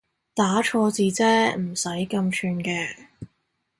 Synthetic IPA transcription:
t̪aː˨˥t͡ʃʰɔː˧t͡siː˨˧t͡sɛː˥m̩˨˩sɐ˨˥jkɐ˧mt͡ʃʰyː˧nkɛː˧

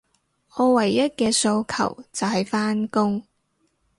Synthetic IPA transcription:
ɔː˨˧wɐ˨˩jːɐ˥t̚kɛː˧so˧wkʰɐ̰˨˩wt͡sɐ˨wɦɐ˨jfaː˥nkʊ˥ŋ

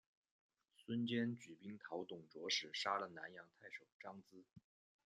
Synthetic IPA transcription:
swə˥nt͡ɕjɛ˥nt͡ɕy˨˩pi˥ŋt̪ʰɑ˧˥ʊt̪ʊ˨˩ŋʈ͡ʂwɔ˧˥ʂɻ̩˨˩ʂa˥lə˨na˧˥njɑ˧˥ŋt̪ʰa˥˩ɪʂo˨˩ʊʈ͡ʂɑ˥ŋt͡sɹ̩˥

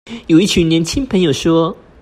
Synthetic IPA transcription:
jo˨˩ʊi˥˩t͡ɕʰy˨˩ŋnjɛ˧˥nt͡ɕʰi˥ŋpʰə˧˥ŋjo˨˩ʊʂwɔ˥

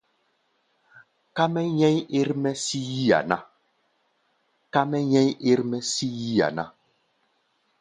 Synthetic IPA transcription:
ka˦mɛ˦ɲɛ̃˦ɲe˦ɾmɛ˦si˦ji˦a̰˨na˦ | ka˦mɛ˦ɲɛ˦ɲe˦ɾmɛ˦si˦ji˦a̰˨na˦

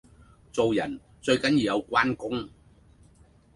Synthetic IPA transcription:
t͡so˨wjɐ˨˩n | t͡sɵ˧ɥkɐ˨˥njiː˨˧wjɐ˨˧wkʷaː˥nkʊ˥ŋ

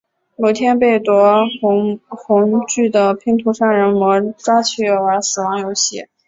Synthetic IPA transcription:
mo˨˩t̪ʰjɛ˥npe˥˩ɪt̪wɔ˧˥˧ | xʊ˧˥ŋt͡ɕy˥˩d̪ə˩pʰi˧˥ŋt̪ʰu˧˥ʂa˥˩nɻə˧˥nmwɔ˧˥ʈ͡ʂwa˥t͡ɕʰy˥˩jo˧˩ʊə˞˧˥sɹ̩˨˩wɑ˧˥ŋjo˧˥ʊɕi˥˩

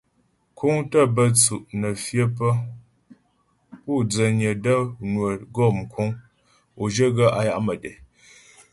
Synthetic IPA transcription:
kʰu˦ŋtə˦˨bə˦t͡su˨ʔnə˨fjə˦p̬ə˦ | pu˦˨d͡zə˨ɲə˨də˦nwə˨ɡɔ˦˨mkʰu˦ŋ | o˨d͡ʒə˦ɡə˦ʔa˨ja˦ʔmə˨dɛ˨

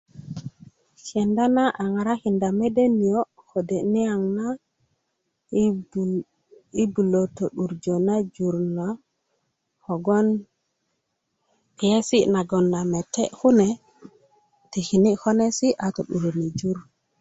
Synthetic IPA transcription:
t͡ʃe˨nda˦na˦ʔa˨ŋa˨ɾa˦ki˨nda˨me˦de˦ni˨jo˦ | ko˨de˨ni˦a˨ŋna˦ | i˦bu˨lo˨to˨ɗu˨ɾd͡ʒo˨na˦d͡ʒu˨ɾna˨ | ho˨ɡo˦n | pi˨je˦si˦na˨ɡo˨nːa˨me˨te˦hu˦ne˨ | ti˨ki˨ni˦ho˦ne˦si˦ʔa˨to˨ɗu˨ɾo˨ni˨d͡ʒu˦ɾ

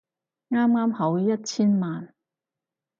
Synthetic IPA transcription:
ŋaː˥mŋaː˥mhɐ˨˥wjɐ˥t̚t͡sʰiː˥nmaː˨n

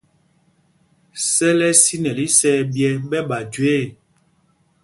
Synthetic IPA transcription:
sɛ˦lɛ˦si˦nɛ˨li˦sɛː˦bjɛ˦ɓɛ˦ɓa˨d͡ʒe˦˨

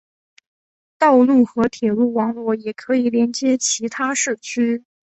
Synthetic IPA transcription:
t̪ɑ˥˧ʊlu˥˩xɤ˧˥t̪ʰjɛ˨˩lu˥˩wɑ˧˥ŋlwɔ˥˩jɛ˨˩kʰɤ˧˥i˨˩ljɛ˧˥nt͡ɕjɛ˥t͡ɕʰi˧˥t̪ʰa˥ʂɻ̩˥˩t͡ɕʰy˥

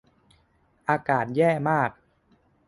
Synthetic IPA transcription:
ʔaː˧kaː˨˩t̪̚jɛː˥˩maː˥˩k̚

